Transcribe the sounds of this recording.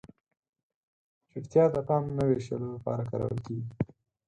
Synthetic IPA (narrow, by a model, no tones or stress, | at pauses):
t͡ʃɪɾt̪jɑd̪əpɑmnəweʃə̰lolapɑ̰ɾakɑ̰ɾa̰wə̰lkeɡi